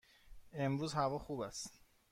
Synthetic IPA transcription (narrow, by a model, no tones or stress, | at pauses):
e̞mɾuːzhævɒːxuːbæst̪